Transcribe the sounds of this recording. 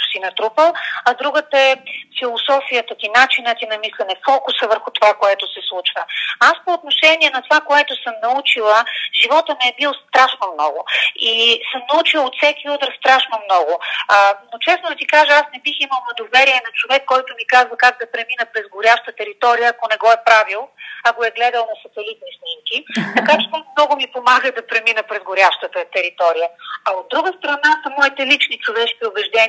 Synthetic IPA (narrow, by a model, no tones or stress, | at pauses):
sinɐt̪ɾupəlˠɐd̪ɾuɡət̪əɛfilˠosɔfijət̪ək̪inat͡ʃinət̪inɐmislʲɛnɛfɔkʊsəvəɾxʊt̪ovakoɛt̪osɛslˠut͡ʃvəaspoːt̪̚noʃɛniɛnɐt̪ovakoɛt̪osəmnɐut͡ʃilˠəʒ̥ivɔt̪əmɛɛbilˠst̪ɾaʃnomnɔ̰ɡʊisəmnɐut͡ʃilˠot̪sɛkʲiut̪ɾəst̪ɾaʃnomnɔɡʊənot͡ʃɛsnʊd̪ɐt̪ikaʒəasnɛbiximəlˠvɐd̪ovɛɾiɛnɐt͡ʃovɛkːɔjt̪ʊmikazvəkak̚d̪ɐpɾɛminəpɾɛzɡoɾʲaʃt̪ət̪ɛɾit̪ɔɾijəːkonɛɡɔɛpɾavilˠɐkoɛɡlɛd̪əlˠnɐsɐt̪ɛlit̪̚nisnimkit̪ɐkat͡ʃɛ̥t̪ɔmnɔɡʊmipomaɡəd̪ɐpɾɛminəpɾɛzɡʊɾʲaʃt̪ət̪ət̪ɛɾit̪ɔɾijəɐod̪̚ɾuɡəst̪ɾɐnasɐmɔit̪ɛlit͡ʃnit͡ʃovɛʃkʲiʊbɛʒd̪ɛn